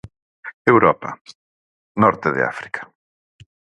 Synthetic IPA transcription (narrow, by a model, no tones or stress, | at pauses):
ewɾɔpɐ | nɔɾt̪ɪðɪ̰a̰fɾi̥kʰɐ̥